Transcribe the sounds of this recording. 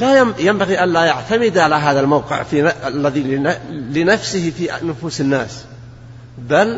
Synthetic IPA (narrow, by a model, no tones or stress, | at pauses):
lajajambaɣiʔanlajaʕt̪amɪd̪ʕalaɦaːðalmawqɪ̰ʕfinaalːaðialɪnafsɪhfinʊfuːsɪnːaːs | bal